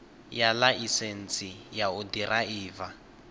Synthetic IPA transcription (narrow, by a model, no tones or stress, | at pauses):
jalaʔisen̩t͡sʼijaʊdirʔaiːva